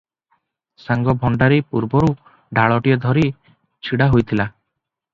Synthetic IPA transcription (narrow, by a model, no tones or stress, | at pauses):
saŋɡɔbʱɔɳɖaɾipuɾbɔɾu | ɖʱaɭɔʈijɔd̪ʱɔɾi | t͡ʃʰiɽaɦojt̪ʰila